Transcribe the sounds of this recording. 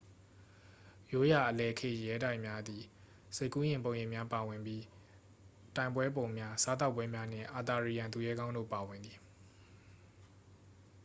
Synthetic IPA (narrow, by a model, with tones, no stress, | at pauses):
jo˦ja˨ʔəlɛ˨kʰɪ̰̃˦˨ʔjɛ˦da˦ɪʔmja˦d̪i˨ | se˦˨kːu˦jɪ̃˨mpõ˨ʊ̃jɪ̃˦˨mja˦pa˨wɪ̃˨mbji˦ | tã˨ɪ̃mbwɛ˦põ˨ʊ̃mja˦sa˦t̪̬a˦ʊpːwɛ˦mja˦n̥ɪ̰̃˦˨ʔa˨t̪a˨ɹi˨jã˨nt̪u˨jɛ˦ɡã˦ʊ̃ndo̰˦˨pa˨wɪ̃˨nd̪i˨